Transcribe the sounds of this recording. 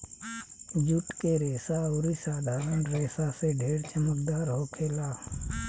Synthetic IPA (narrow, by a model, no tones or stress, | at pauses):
d͡ʒʊʈkeɾeːsaoɾisaːd̪ʱaːɾənɾeːsaseɖʱeːɽt͡ʃəmək̚d̪aːɾɦokʰeːlaː